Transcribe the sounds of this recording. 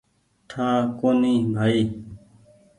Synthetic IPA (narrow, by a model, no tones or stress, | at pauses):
ʈʰaːkoːniːbʱaːiː